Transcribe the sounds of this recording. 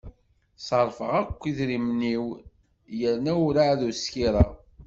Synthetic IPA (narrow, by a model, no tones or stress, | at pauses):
sˤəɾˤfəʁækʷːiðɾimniw | jəɾnæʊɾaðuskiɾˤɑ